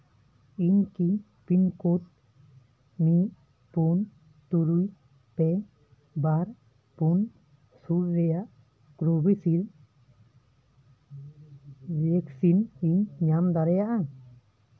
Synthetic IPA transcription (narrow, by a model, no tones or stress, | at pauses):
iɲki | pinkot̪̚ | niʔ | pun | t̪uɾuj | pɛ | baɾ | pun | suɾɾɛjaʔ | kɾubisil | beksiniɲɲamd̪aɾɛjaʔa